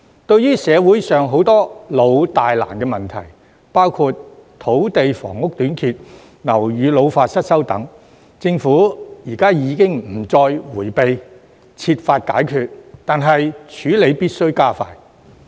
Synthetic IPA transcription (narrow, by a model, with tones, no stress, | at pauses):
t̪ɵ˧ɥjyː˥sɛː˨˧wuː˨˥jsœː˨ŋɦo˨˥wt̪ɔː˥lo˨˧wt̪aː˨jla̰ː˨˩nkɛː˧mɐ˨nt̪ʰɐ̰˨˩j | paː˥wkʰu˧t̚t̪ʰo˨˥wt̪e˨jfɔ̰ː˨˩ŋʊ˥k̚t̪yː˨˥nkʰiː˧t̚ | nɐ˨˩wjyː˨˧lo˨˧wfaː˧t̚sɐ˥t̚sɐ˥wt̪ɐ̰˨˥ŋ | t͡sɪ˧ŋfuː˨˥jiː˨˩kaː˥jiː˨˧kɪ˥ŋm̩˨˩t͡sɔː˧jwuː˨˩jpe˨j | t͡sʰiː˧t̚faː˧t̚ka̰ː˨˥jkʰyː˧t̚t̪aː˨nɦɐ˨jt͡ʃʰyː˨˥le˨˧jpiː˥t̚sɵ˥ɥkaː˥fa̰ː˧j